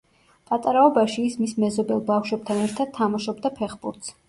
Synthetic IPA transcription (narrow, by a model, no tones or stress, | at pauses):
pʼat̪ʼaɾaɔbaʃiːsmismɛzɔbɛlˠbafʃwɛb̥̚t̪ʰanɛɾt̪ʰad̪̥̚t̪ʰːamaʃɔbd̪apʰɛχbṵɾt̪s